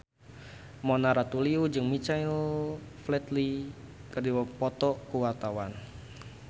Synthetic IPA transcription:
mɔnaɾat̪uliud͡ʒɨŋmit͡ʃaɪlflɛt̪li | kərdiwapɔt̪ɔkuwart̪awan

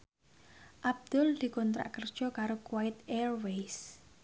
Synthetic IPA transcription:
ʔab̚d̪̥ʊld̪̥i̤kɔnt̪ɾa̰ʔkərd̥ʒ̥ɔ̤kaɾokuwaɪt̪ɛrwejs

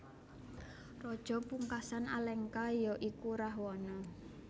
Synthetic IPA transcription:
rɔd̥ʒ̥ɔ̤puŋkasana̰lɛŋkajɔʔikuɾahwɔnɔ

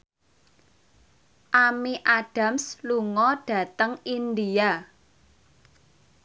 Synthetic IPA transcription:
ʔamiʔaɖ̥a̤msluŋɔɖ̥ä̤t̪əŋind̪ia

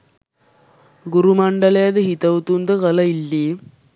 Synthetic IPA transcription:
ɡuɾumaɳɖəlɐjad̪əɦit̪ɐʋt̪und̪əkɐlɐilːi

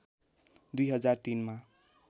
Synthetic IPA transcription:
d̪ujɦʌd͡zart̪inma

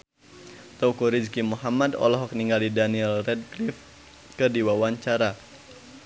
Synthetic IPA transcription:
t̪ɔkuɾid͡ʒkimuɦamadɔ̰lɔɦɔk̚niŋɡalidaniɛlrɛd̚klɪf | kɨrdiwawaɲt͡ʃaɾa

